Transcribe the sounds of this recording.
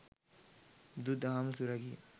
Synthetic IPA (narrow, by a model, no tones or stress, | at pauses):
d̪ud̪aɦamsuɾaɡi